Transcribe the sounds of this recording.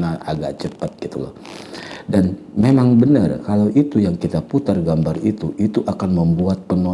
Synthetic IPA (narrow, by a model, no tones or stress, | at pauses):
naa̰ɡaʔt͡ʃəpat̪̚ɡit̪ulɔ̰h | danmemaŋbənə̰rkalawʔit̪ujaŋkit̪aput̪arɡambarit̪uʔit̪uʔakanməmbuat̪̚pəno